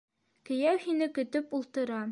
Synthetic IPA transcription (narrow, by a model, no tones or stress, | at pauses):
kɘ̆jæwhinɘkɵ̆t̪ɵpulˠt̪ɤ̆ɾɑ